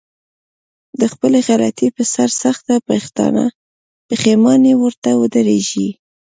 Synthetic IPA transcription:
d̪əxpəleɣala̰t̪ipəsaɾsaxt̪apəxt̪ɑ̰na̰ | pəxemɑnewəɾt̪awəd̪əɾeʒi

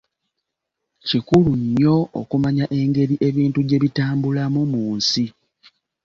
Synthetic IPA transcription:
cikuluɲːo̞o̰kumaɲaʔe̞ŋɡe̞ɾiʔe̞βiːntuɟe̞βitaːmbulamumuːnsi

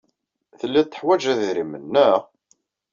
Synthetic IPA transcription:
θəlːæt̪ːə̥ħwæd͡ʒæðɾimənːə

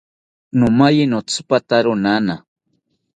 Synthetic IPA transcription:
nʊmajɪnot͡spat̪aɾʊnana

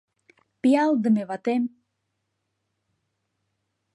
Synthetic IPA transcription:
piɑlˠd̪əmevɑt̪em

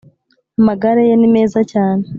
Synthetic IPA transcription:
maɡaɾejenime̞ːzacaːne

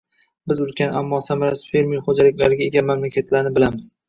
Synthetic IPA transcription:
bɪzʊlkʲanamːɒsamaɾasɪ̥fe̞ɾmiχod͡ʒalɪkʲlaɾɡʲae̞ɡʲamamlakʲʰat̪ʰlaɾnɪbɪlamɪz̥

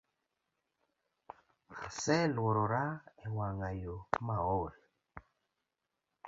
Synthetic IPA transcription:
asɛlwʊɾoɾaɛwaŋajomaol

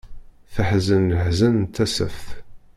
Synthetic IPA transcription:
θəħzənləħzænnt̪ʰːæsəfθ

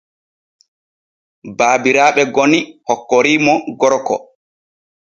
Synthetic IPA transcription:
baːbiɾaːɓɛɡonihɔkːoɾiːmɔɡɔɾkɔ̰

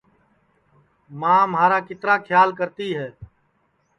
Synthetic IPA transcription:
mãːmaːɾaːkɪt̪ɾãːkʰjaːlkəɾt̪iːɦɛː

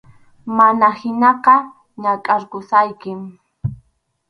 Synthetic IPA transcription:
manahɪnɑqɑ | ɲakʼaɾkʊsajkɪm

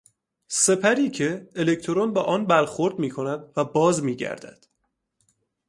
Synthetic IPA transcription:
se̞pʰæɾiːcʰe̞ːle̞kʰt̪ʰoɾonbɛːʔɒːnbæɾxo̞ɾd̪miːkʰo̞næd̪væbɒːzmiːɟæ̰ɾd̪æ̰d̪̥

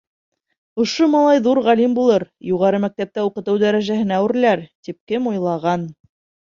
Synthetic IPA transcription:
ŏʃomɑlˠɑjðuɾʁælimbulˠɤɾjuʁɑɾɤmæk̚t̪æp̚t̪æuqɤ̆t̪ɤwd̪æɾæʒæhɘ̆næwɘ̆ɾlæɾt̪ip̚kɘmujlˠɑʁɑn

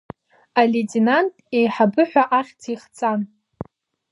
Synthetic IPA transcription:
aletʼenantʼejħabɨħʷᶣaʔaχʲtʰiχt͡sʼan

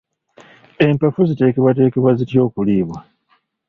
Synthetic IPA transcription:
e̞mpafuzite̞ːke̞βwate̞ːke̞βwazitjo̞ːkuliːβwa

